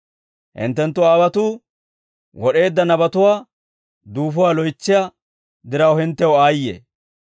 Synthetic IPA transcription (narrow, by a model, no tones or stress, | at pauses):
hɪ̰nt̪ːɛnt̪ːʊwaːβɐt̪uː | wɔɗe̞ːd̪ːɐnɐbɐt̪ʊwaː | d̪uːfʊwaːlɔjt͡ʃːɪja | d̪ɪɾɐwhɪnt̪ːɛwaːjːḛ